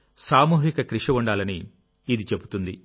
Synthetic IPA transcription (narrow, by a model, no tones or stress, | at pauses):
saːmuːɦikɐkɾiʂɐʋuɳɖaːlɐniː | d̪it͡ʃe̞but̪und̪i